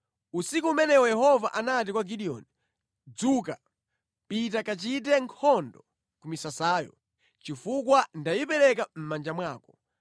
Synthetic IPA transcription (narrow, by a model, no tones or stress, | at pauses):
usikuːmɛnɛwɔjɛɦɔvaʔanat̬ikwaɡiɗiɔ̰ni | d͡zuka | pit̬akat͡ʃit̬ɛŋkʰɔndɔ | kumisasaːjɔ̰ | t͡ʃifukwandajipɛɾɛkam̩mand͡ʒamwaːkɔ